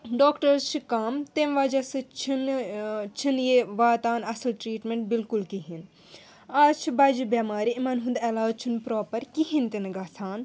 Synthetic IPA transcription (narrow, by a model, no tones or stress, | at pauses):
ɖoːkʈɐɾt͡ʃʰikaːmt̪emʋaːd͡ʒɐsɨt͡ʃʰint͡ʃʰinjeʋaːt̪aːnɐsɐlʈɾiːʈmẽɳʈ̚bilkulkiɦin | aːzt͡ʃʰibɐd͡ʒubɐːmaːɾiimɐnɦũnd̪ɛlaːt͡ʃʰunpɾoːpɐɾkiɦint̪inɡaːsaːn